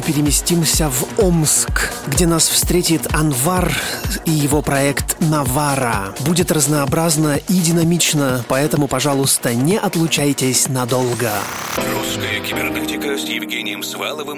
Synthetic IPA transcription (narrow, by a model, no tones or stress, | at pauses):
pʲɪɾʲɪmʲɪsʲtʲimsʲəvomskɡdʲenasfst̪ɾʲetʲɪt̪ɐnvarijɪvopɾɐɛkt̪nɐvaɾə̰budʲɪt̪rəznəːbɾaznəidʲɪnɐmʲit͡ɕnəpɐɛt̪əmʊpɐʐalˠʊst̪ənʲɛʔɐt̪lˠʊt͡ɕæjtʲɪsʲnɐd̪olˠɡə | ruskəjəkʲɪbʲɪrnɛtʲɪkəsjɪvɡʲenʲɪjɪmsva̰lˠəvɨm